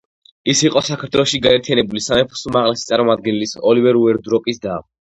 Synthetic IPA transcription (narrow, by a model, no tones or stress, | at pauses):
isiqʼɔsakʰaɾt̪ʰwɛlˠɔʃiɡaɛɾt̪ʰijanɛbulisamɛpʰɔ̥sumaʁlɛsit̪sʼaɾmɔmad̪̚ɡɛnilisɔlivɛɾuɛɾd̪ɾɔkʼisd̪a